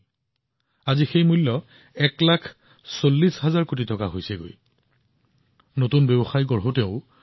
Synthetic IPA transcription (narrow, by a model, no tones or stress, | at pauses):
azixejmulːɔ | ɛklakʰ | solːisɦazaɹkot̬itɔkaɦojsɛɡo̰j | notunbɛbɔxajɡɔɹɦotɛʊ